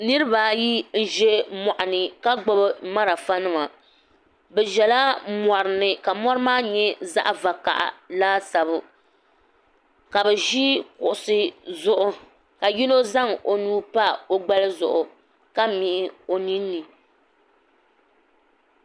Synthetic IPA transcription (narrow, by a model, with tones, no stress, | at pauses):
nɨ˦ɾɨ˦ba˨ji˦n̩˦ʒɛ˦mɔ˨ʔa˨nɨ˨ka˦ɡ͡bo˦bɨ˦ma˦ɾa˨fa˦nɨ˦ma˨ | bɛ˨ʒɛ˨la˦mɔ˨ɾɨ˨nɨ˨ka˨mɔ˦ɾɨ˦maː˦ɲɛ˦za̰˦ʔva˨ka̰˨ʔa̰˨laː˦sa˨bʊ˦ | ka˨bɛ˨ʒi˦kʊ̰˨ʔʊ˨sɨ˦zʊ˨ʔʊ˦ | ka˨ji˦no˦za˦ŋo˨nuː˦pa˦o˦ɡ͡ba˦lɨ˦zʊ̰˨ʔʊ˨ | ka˦mi˨ʔɪ˦o˨ni˦nːɨ˨